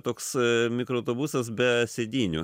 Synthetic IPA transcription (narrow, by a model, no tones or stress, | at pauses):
t̪oːksmʲɪkɾoɐʊt̪oːbusɐsbʲɛsʲeːd̪ʲiːnʲʊ̰